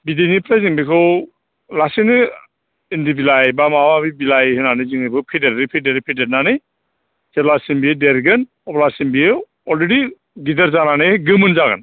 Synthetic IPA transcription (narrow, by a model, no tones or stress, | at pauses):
bidinipʰɾajziŋbikʰɯw | lasinɯ | indibilajbamawabibilajhɯnanɯjziŋɯjbʰɯwpʰideɾɾipʰideɾipʰidet̚nanɯj | z̥elasinbiedeɾɡɯn | ɔblasinbiɯ | ɔlɾedi | ɡidaɾzananɯɡɯmɯnzaɡa̰n